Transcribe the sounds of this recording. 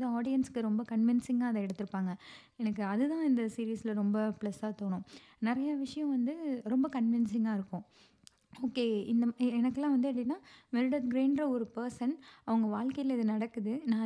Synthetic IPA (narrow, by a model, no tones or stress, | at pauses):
ðɐaːɽɪjɐnskɯɾɔmbɐkɐɳʋɪnsɪŋɡaːɐðɐɛɽɯt̪ːɯɾɯpːaːŋɡɐ | ɛnɐkːɯɐðɯt̪ãːɪnd̪ɐsiːɾiːslɐɾɔmbɐpɭɛsaːt̪oːɳʊ̃ | nɪɾɐjaʋɪʂɐjɐ̃ʋɐnd̪ɯɾɔmbɐkɐɳʋɪnsɪŋaːɪɾɯkːʊ̃ | oːkːeːɪnd̪ɐɛnɐkːɯlãːʋɐnd̪ɯɐpʈɪnːaːʋɛɾɯɽɐt̪ɡɾeːɳɖɾɐɔɾɯpɐɾsɐnɐʋɐŋɡɐʋaːɭkɐjɪlɪðɯnɐɽɐkːɯðɯnãː